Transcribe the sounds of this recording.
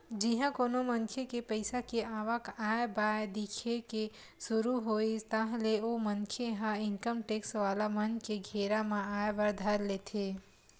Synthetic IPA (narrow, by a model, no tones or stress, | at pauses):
d͡ʒiɦãkoːnoməŋkʰjekepəɪsakeaːʋəkaːjbaed̪ikʰeke | sʊɾuɦoːit̪ãɦleomənkʰeɦãɪŋkəmʈeːksʋaːlamənkeɡʱeːɾamẽaːjbəɾd̪ʱəɾleːt̪ʰe